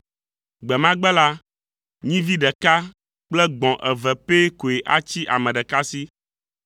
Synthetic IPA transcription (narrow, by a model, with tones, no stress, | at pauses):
ɡ͡bɛ˨mã˦ɡ͡bɛ˦la˦ | ɲĩ˦vi˦ɖɛ˨ka˦ | k͡plɛ˦ɡ͡bɔ̃˨ʔɛ˨vɛ˨pe˦ko˨e˨ʔa˦t͡ɕi˦ʔa̰˨mɛ̃˨ɖɛ˨ka˦si˦